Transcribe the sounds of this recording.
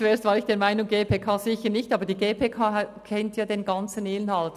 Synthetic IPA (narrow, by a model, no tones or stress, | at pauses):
t͡sueːst̪vɑːɾɪçd̥eːɐmaɪnʊŋɡeːpʰeːkʰɑːz̥ɪçəɾnɪçtɑːbəɾdiːɡeːpʰeːkʰaːkʰɛntjɑːdenɡɑnt͡sən̩ɪnhɑlt